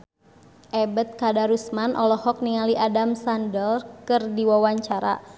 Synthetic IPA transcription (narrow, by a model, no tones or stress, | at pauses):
ʔɛbət̪̚kadaɾusmanʔɔlɔhɔk̚niŋaliʔadamsandəlkɨrdiwawaɲt͡ʃaɾa̰